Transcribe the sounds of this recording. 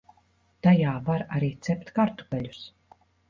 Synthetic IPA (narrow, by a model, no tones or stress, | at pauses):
t̪ajaːvaɾaɾiːt̪sɛpʲt̪kaɾt̪u̥ɡalʲus